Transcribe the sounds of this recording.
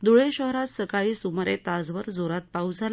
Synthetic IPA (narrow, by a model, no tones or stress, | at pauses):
d̪uɭeɕəɦɾat̪səkaɭiːsumɾet̪ad͡zʋəɾd͡zoɾat̪̚paud͡zʱal